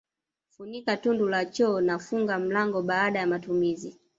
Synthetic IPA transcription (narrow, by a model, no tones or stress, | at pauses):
funikatundulat͡ʃɔːnafuŋɡam̩laŋɡɔɓaːɗajamatumizi